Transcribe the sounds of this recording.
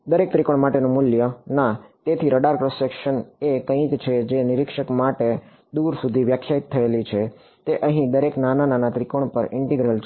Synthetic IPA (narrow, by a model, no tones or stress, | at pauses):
d̪əɾek̚t̪ɾikoɳ̃maʈenõmuljənat̪et̪ʰiɾəɖaɾkɾosekʃənekə̃ĩkt͡ʃʰed͡ʒenɪɾɪkʃəkmaʈe | d̪uɾsud̪ʱiʋjəkʰjait̪ʰːəelit͡ʃʰe | t̪eʔəɦĩd̪əɾeknanananat̪ɾikoɳ̃pəɾɪɳʈiɡɾəlt͡ʃʰ